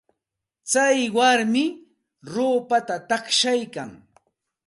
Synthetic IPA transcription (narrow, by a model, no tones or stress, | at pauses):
t͡sajwaɾmɪ | ɾoːpat̪at̪akʃajkaŋ